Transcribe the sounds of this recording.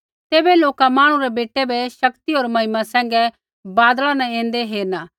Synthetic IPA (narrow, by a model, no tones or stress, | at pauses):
t̪eːbɛloːkamãːɽ̃ũɾɛbeːʈɛbɛʃɐkt̪ioːɾmɐɦɪmasɛ̃ːŋɡɛ | baːd̪lanɛ̃ẽːnd̪eɦeːɾnaː